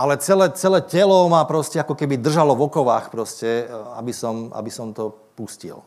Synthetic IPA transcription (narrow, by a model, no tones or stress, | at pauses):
ʔalɛt͡sɛlɛːt͡sɛlɛːcɛlɔmapɾɔscɛakɔkɛbid̪r̩ʒalɔvɔkɔʋaːxpɾɔscɛa̰bisɔmʔa̰bisɔmt̪ɔ | puscḭl